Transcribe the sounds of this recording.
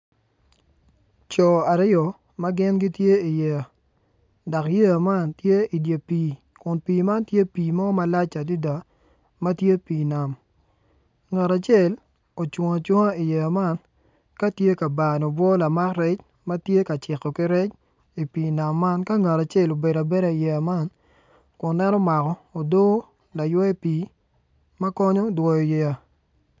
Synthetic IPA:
t͡ʃɔ˨a˨ɾɪ˦ɔ˨ | ma˦ɡɪ˦nɡɪ˦tje˦i˨je˨ | dɔ˨kje˦a˨ma˦˨ntje˦i˨dje˨piː˨ | kʊ˨npiː˨ma˦ntje˦piː˨mɔ˦ma˦la˦t͡ʃa˨di˦da˨ | mɐ˦tje˦piː˨na˨m | ŋa˨ɾa˨t͡ʃɛ˦˨l | o˨t͡ʃo˨ŋa˨t͡ʃwo˦ŋa˦i˨je˨ma˦n | ka˦tje˦ka˨ba˨nɔ˨bwɔ˦la˨ma˦krɛ˦t͡ʃ | mɐ˦tje˦ka˨t͡ʃɪ˨kɔ˨ki˦ɾɛ˦t͡ʃ | i˨piː˨na˨mːa˦nka˦ŋa˨ta˨t͡ʃe˦˨lo˨be˨da˨be˦ɾa˨i˨je˨a˨ma˦˨n | kʊ˨nnːɛ˦nɔ˦ma˨kɔ˨o˨do˦ | la˨jwɛ˦piː˨ | mɐ˦kɔ˦ɲɔ˦dwɔ˨jɔ˨je˨ja˨

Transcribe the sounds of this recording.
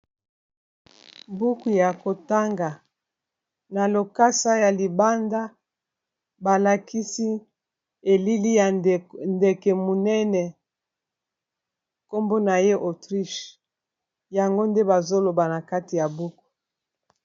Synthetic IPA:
bu˦ku˨ja˨ko˨ta˦ŋɡa˨ | na˨lo˨ka˦sa˦ja˨li˨ba˦nda˦ | ba˨la˨ki˦si˦ | e˨li˦li˦jnde˨kɛ˨mu˨nɛ˦nɛ˨ | ko˦mbo˦na˨je˦ʔo˨tʁi˦ʃ | ja˨ŋɡo˦nde˦ba˨zo˦lo˨ba˨na˨ka˦ti˨ja˨bu˦ku̥˨

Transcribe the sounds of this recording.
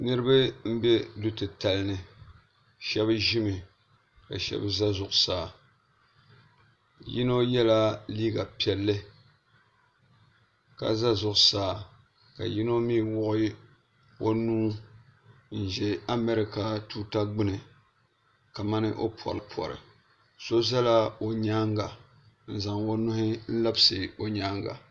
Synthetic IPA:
nɨ˦ɾɨ˦ba˦m̩˦bɛ˦du˨tɨ˨ta˨lɨ˦nɨ˨ | ʃɛ˦bɨ˦ʒi˦mɨ˨ | ka̰˨ʃɛ̰˦bɨ˦za˦zʊ˨ʔʊ˨saː˨ | ji˦no˦jɛ˦la˦liː˦ɡa˨pi˨ɛ˨lːɨ˦ | ka̰˨za˦zʊ˨ʔʊ˨saː˨ | ka̰˨ji˦no˦miː˦˨wʊ˦ʔʊ˦ | wo˦nuː˦ | n̩˨ʒɛ˨a˦mɛ˦ɾɪ˦ka˨tuː˦ta˦ɡ͡bɨ˦nɨ˨ | ka˨ma˦nɨ˦ʔo˦pʰɔ̰˨ɾɨ˨pʰɔ̰˨ɾɨ̰˨ | so˦za˦la˦o˨ɲaː˦ŋɡa˨ | n̩˨za˨ŋwo˦nʊ˦hɪ˦n̩˦la˦bɨ˦sɨ˨o˨ɲaː˦ŋɡa̰˨

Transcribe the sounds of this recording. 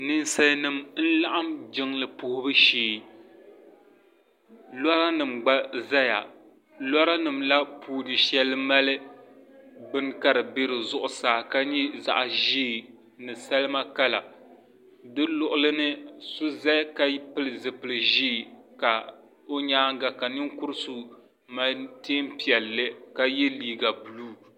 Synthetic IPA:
nɨ˦n˦sa˦nɨ˨mn̩˦la˦ʔa˦md͡ʒɪ˦ŋlɨ˨pʊ˨hʊ˦bɨ˦ʃiː˨ | lɔ˦ɾa˦nɨ˨mɡ͡ba˦za˦ja̰˨ | lɔ˦ɾa˦nɨ˨mla˦pʰuː˦dɨ˨ʃɛ˦lːɨ˦ma˦lɨ˦ | bɨ˦nka˦ɾɨ˨be˦ɾɨ˨zʊ˦ʔʊ˨saː˨ka˦ɲi˦za̰˨ʔʒiː˦˨ | nɨ˨sa˦lɨ˦ma˦ka˦la̰˨ | dɨ˦lʊ˨ʔʊ˨lɨ˦nɨ˦sʊ˦za˦ka˦pɨ˦lɨ˨zɨ˨pɨ˨lɨ˨ʒiː˦˨ka˨ | o˦ɲaː˦ŋ˦ɡa˨ka˨nɨ˦ŋkʊ˦ɾɨ˦su˨ | ma˦teː˦mpi˨ɛ˨lːɨ˦ka˦jɛ˦liː˨ɡa˨bɨ˨luː˦

